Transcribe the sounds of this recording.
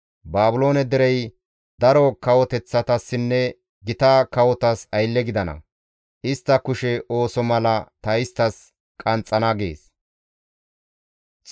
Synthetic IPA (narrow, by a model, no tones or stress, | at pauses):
baːbʊlo̞ːnɛd̪ɛɾɛj | d̪ɐɾɔkɐwɔt̪ɛt͡sːɐt̪ɐsːɪnːɛ | ɡɪt̪akɐwɔt̪ɐsɐjlːɛɡɪd̪ɐnɐ̰ | ʔɪst̪ːɐkʊʃɛʔo̞ːsɔmɐlɐt̪ɐɪst̪ːɐs | kʼɐnt͡sʼːɐnɐɡḛːs | t͡s